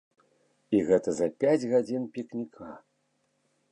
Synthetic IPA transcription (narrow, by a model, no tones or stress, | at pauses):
iɣɛt̪ɐzɐpʲad͡zʲɣad͡zʲinpʲiknʲikʰa